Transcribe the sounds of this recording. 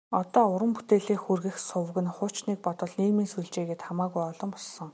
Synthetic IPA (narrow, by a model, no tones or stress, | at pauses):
ɔt̪ɔːʊɾə̆mput̪eːɮiːxurɣɘ̆xsʊw̆ɣɘ̆nχʊːt͡ɕniːk̚pɔt̪ɞ̆ɮniːmiːnsujɮt͡ɕeːɣeːt̪χamaːɣujɔɮɞ̆mpɔssɞ̆ŋ